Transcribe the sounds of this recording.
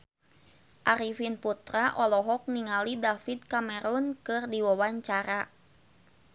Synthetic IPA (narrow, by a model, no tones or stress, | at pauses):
ʔaɾifinput̪ɾaʔɔlɔɦɔk̚niŋalidafid̪̚kamɛɾunkɨrdiwawaɲt͡ʃaɾa